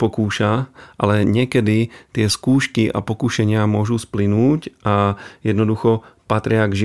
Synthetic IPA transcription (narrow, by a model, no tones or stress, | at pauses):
pɔkuːʃaʔalɛɲɛkɛd̪it̪ɪɛskuːʃkiʔa̰pɔkuʃɛɲɪamʊɔʒusplinuːcʔajɛd̪nɔd̪uxɔpat̪ɾɪaɡʒi